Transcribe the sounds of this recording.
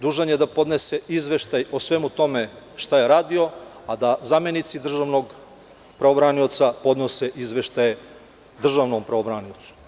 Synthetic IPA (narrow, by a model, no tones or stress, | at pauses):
d̪uːʒanjed̪apo̞d̪nese̞izʋe̞ʃt̪ajosʋe̞mut̪o̞me | ʃt̪ajeɾaːd̪io̞ | ad̪azamenit̪sid̪r̩ʒaʋnoɡ | pɾaobɾanio̞t̪sapo̞d̪no̞seʔizʋe̞ʃt̪aje | d̪r̩ʒaʋnompɾaobɾaːniot̪su̥